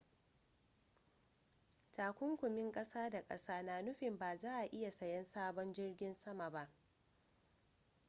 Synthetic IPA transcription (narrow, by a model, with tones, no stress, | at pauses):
taː˨kʷʊ˦ŋkʷʊ˨mɪ˦ŋkʼɐ˦saː˦da˨kʼɐ̰˦saː˦naː˨nʊ˦ɸɪ˨mbaː˨zaː˦ʔa˨ʔɪ˦ja˨sɐ˨jɛ˦nsaː˦bɔ˦nd͡ʒɪ˦rɡʲɪ˦nsɐ˦ma˨ba˦ʔ